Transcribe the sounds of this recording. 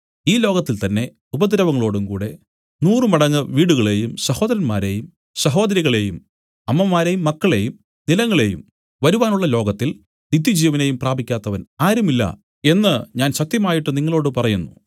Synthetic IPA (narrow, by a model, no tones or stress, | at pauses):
iːlo̞ːɡɐt̪ːilt̪ɐnːe̞ | ubɐd̪iɾɐʋɐŋːɐɭo̞ːɽumkṵːɽe̞ | nuːrɨmɐɽɐŋːɐʋiːɽuɣɐɭe̞jumsɐho̞ːd̪ɐɾɐnmaːɾe̞jum | sɐɦo̞ːd̪ɐɾiɣɐɭe̞jum | ɐmːɐmːaːɾe̞jumːɐkːɐɭe̞jum | nilɐŋːɐɭe̞jṵm | ʋɐɾuʋaːnuɭːɐlo̞ːɡɐt̪ːil | nid̪jid͡ʑiːjɐʋɐne̞jumpraːbʱikʲːaːt̪ːɐʋɐnaːɾɐmilːɐ̰ | e̞nːɨɲaːnɕɐt̪jɐmaːjiʈːɨniŋːɐɭo̞ːɽɨpɐrɐjunːṵ